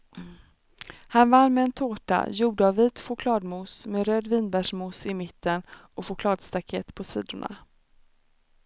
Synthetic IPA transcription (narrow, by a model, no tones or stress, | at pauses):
hanvanːmɛːnt̪ʰoːʈa̰juːɖ̪əavviːt̪ɧʊkʰlɑːd̪muːsmeːɾøːd̪viːnbæʂmuːsɪmɪt̪ːənɔɧʊkʰlɑːd̪st̪akʰɛt̪pʰɔsiːd̪ʊɳa̰